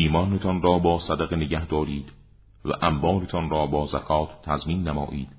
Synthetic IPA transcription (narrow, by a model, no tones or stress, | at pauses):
iːmɒːnet̪ʰɒnrɒːbɒːsæd̪æɣeneɟæhd̪ɒːɾiːd̪ | væ̰ʔæmbɒːlet̪ʰɒnrɒːbɒːzækʰɒːt̪ʰt̪ʰːæzmiːnːæmɒ̰ːʔiːd̪̥